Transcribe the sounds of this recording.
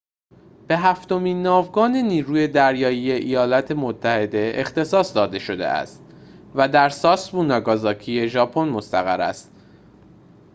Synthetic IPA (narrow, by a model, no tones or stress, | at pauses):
b̥e̞ɦæft̪o̞miːnːɒːvɡɒːne̞niːɾuːje̞d̪æɾjɒːjije̞ʔijɒːlɒːt̪ʰe̞mot̪ʰːæhe̞d̪e̞ʔext̪e̞sɒːsd̪ɒːd̪e̞ʃo̞d̪e̞̰ʔæ̰st̪ | væd̪æɾsɒːsbuːnɒːɡɒːzɒːcʰije̞ʒɒːpʰo̞nmost̪æɣæɾæ̰st̪